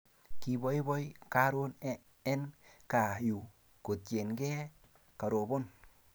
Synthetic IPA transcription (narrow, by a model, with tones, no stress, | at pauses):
ki˧bɔ˦jbɔ˦jka˦ɾo˦n | ɛ˦nka˨ju˨ | ko˨t̚t͡ʃe˨nkɛ˦ | ka˨ɾo˨bo˦n